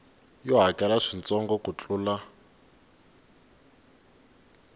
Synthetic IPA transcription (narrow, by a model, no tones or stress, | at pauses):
jɔɦakʼɛlaʂint͡sʼɔŋɡɔkut͡ɬʼuːla